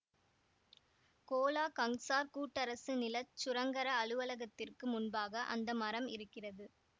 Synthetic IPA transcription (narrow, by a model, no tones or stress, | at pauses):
koːlaːkɐŋsaːɾkuːʈːɐɾɐsɯnɪlɐt͡ʃːʊɾɐŋɡɐɾɐɐlɯʋɐlɐɣɐt̪ːɪrkɯmʊnbaːɣɐʔɐ̰nd̪ɐmɐɾɐmɪ̰ɾɯkːɪrɐðɯ